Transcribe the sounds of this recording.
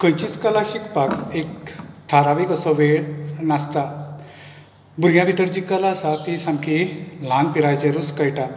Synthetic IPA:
kə̃jt͡ɕit͡skalaɕikpakekt̪ʰaɾaʋikəsɔʋeɭnast̪a | buɾɡjãbʱit̪əɾd͡ʑikalaəsat̪isãmkilanpiɾajt͡ɕeɾuskəjʈa

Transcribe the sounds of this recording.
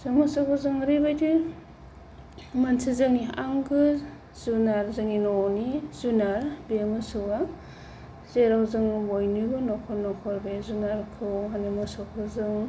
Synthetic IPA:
zɯŋmɯsɔk̚ɯzɯŋɾibajdi | mansizɯŋia̰ŋɡɯ | z̥unaɾzɯŋinɔnizunaɾbemɯsɯa | zeɾawzɯŋbojnɯbɯnɔkʰɔnɔkʰɔɾbezunaɾkʰɯwanimɯsɔk̚ʰbɯzɯŋ

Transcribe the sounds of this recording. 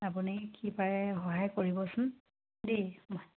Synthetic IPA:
apunikipaɹɛxɔɦajkoɹibɔsʊn | dimɔj

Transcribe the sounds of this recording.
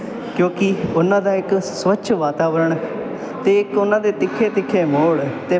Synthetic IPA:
kjõːkɪʊnãːd̪aːɪksʋətːʃʰʋaːt̪aːʋəɾəɳ | t̪eːɪkʊnãːd̪eːt̪ɪkʰːeːt̪ɪkʰːeːmoːɭt̪eː

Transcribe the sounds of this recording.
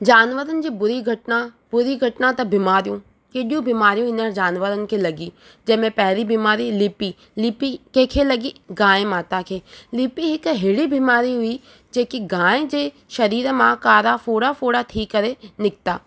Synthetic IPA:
d͡ʒaːnʋəɾənɪ̆d͡ʑiːbʊɾiɡʱɐʈna | bʊɾiɡʱɐʈnãt̪ɐbɪmaːɾijũ | keɗijũbimaːɾijũɪnəɾd͡ʒaːnʋəɾənɪ̆kʰeːlɐɡiː | d͡ʒɐːmẽpɛɦɾibiːmaːɾilɪpi | lɪpikẽːkʰelɐɡiɡãːẽmaːt̪akʰeːlɪpiɦɪkɦeːɽibimaːɾiɦʊi | d͡ʒeːkiɡãːẽd͡ʑeː | ʃɐɾiːɾmãkaːɾafoːɽafoːɽat̪ʰiːkːɐɾenɪk̚t̪aː

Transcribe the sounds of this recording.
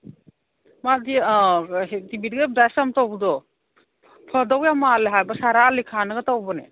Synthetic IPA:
madi | ɦtibidɡedajsamtɔwbdɔ | pʰɔdɔwjamaleɦajbasaɾalikʰanɯɡatawbɔnḛ

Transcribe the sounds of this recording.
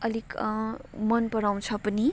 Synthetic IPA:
ʌlik | mʌnpʌɽaw̃t͡sʰʌpʌni

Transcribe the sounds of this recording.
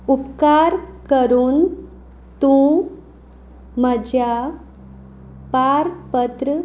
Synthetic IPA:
upkaɾkəɾuːn | t̪ũ | məd͡ʑja | paɾpət̪ɾ

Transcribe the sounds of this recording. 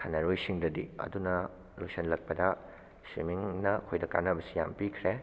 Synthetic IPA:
kʰanɐɾojsiŋdɐdḭɐ̰dunɐ | lojsɐnlɐk̚pɐdɐ | sḭmiŋnɐkʰojdɐka̰nɐbɐsija̰mpikʰɾe

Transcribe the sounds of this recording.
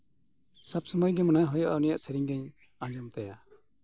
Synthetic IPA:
sabsɔmɔjɡɛmɔnajɦɔjɔʔanijaʔsɛɾiɲɡɛɲ | ãd͡ʒɔmt̪aja

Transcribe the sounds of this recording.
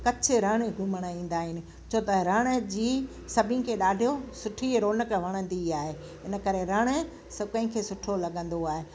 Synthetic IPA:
kɐt͡ɕʰɪɾɐːɽ̃eɡʱʊməɽ̃əĩːn̆d̪aːɦɪnɪ̆ | t͡ɕʰoːt̪ɐɾəɽ̃ə̆d͡ʑiː | sɐbʱɪnkʰeːɗaːɖʱijosʊʈʰiɾoːnəkʋɐɽ̃ə̃nd̪iaːɦe | ɦɪnə̆kɐɾeɾɐɽ̃ə | sɐkɐ̃ɦɪ̃kʰeːsʊʈʰolɐɠə̃nd̪oaːɦeː

